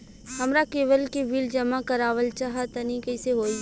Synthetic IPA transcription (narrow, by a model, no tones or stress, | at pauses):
hɐmɾakeːʋəlkeʋiːld͡ʒɐmakɐɾaːʋəlt͡ʃaɦat̪ɐnĩkəɪseɦoːi